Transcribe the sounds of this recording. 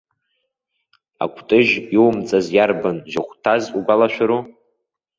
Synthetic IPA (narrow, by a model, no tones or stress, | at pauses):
a̰kʷʰtʼɨʒiwmt͡sʼazjarbanʒɪχʷtʰazuɡʷalaʃʷᶣaɾu